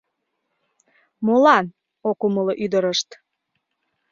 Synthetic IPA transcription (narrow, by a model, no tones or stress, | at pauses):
molɑn | okuməloʔyd̪əɾəʃt̪